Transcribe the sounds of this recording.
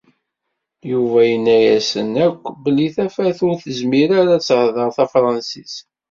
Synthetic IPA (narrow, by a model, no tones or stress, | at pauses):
juvæjənːæjæsənækʷːbəlːiθæfæθʊɾθəzmiɾaɾat͡sːhðˤəʁθæfɾˤɑnsis